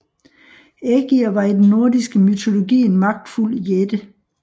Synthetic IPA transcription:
eɡ̥iɐʋɑ̈id̥enːo̝ɐdisɡ̥əmyt͡sʰo̝lo̝ɡ̥ḭːnmɑ̈ɡ̥̚d̥ful̰jed̥ə

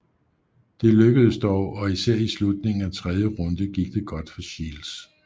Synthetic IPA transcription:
d̥e̝løɡ̥əð̞ˠəsd̥ɒʊʔɒ̽isæɐ̰islud̥̚ne̝ŋn̩æt͡sʰʁɛð̞ˠjəʁɔ̽nd̥əɡ̥iɡ̥̚d̥e̝ɡ̥ɒ̽d̥fɒɕiːls

